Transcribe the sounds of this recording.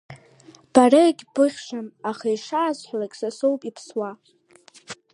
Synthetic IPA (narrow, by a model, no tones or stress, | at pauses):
b̥araɡʲʼb̥ɨʁʲʂʷamaχaiʂaːzħʷlakʲʼsasowpʼipʰswa